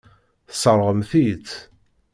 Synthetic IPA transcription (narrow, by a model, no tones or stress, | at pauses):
θə̥səɾˤʁəmθit͡s̪